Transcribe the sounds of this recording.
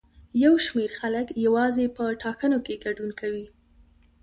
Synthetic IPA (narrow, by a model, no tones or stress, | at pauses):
jawʃmeɾxaləkjawɑzepəʈɑkənokeɡaɖunkawi